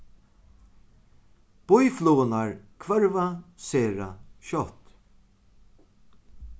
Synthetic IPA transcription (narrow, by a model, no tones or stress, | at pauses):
b̥ʊjfluːnaɹkʰvœɹvaseːɾa̰ʃɔht̪